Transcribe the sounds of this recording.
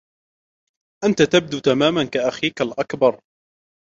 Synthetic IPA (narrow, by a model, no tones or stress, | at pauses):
ʔant̪at̪ab̚d̪uːt̪amaːmankaʔaxiːkalʔakbɑɾˤ